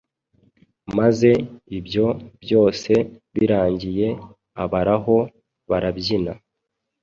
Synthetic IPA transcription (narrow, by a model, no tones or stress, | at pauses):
maze̞ibjo̞bjo̞ːse̞βiɾaːɲɟije̞ | aβaɾaɦo̞ | βaɾabɟina